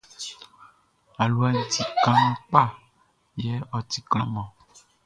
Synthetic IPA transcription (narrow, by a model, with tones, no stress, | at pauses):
a˨lu˨a˨ŋ̩̃˨˦t̪i˨kã˦ŋ̃˦k͡pa˦˨ | jɛ˦ɔ˨t̪i˨kl̃ɔ̃˦mɔ̃˨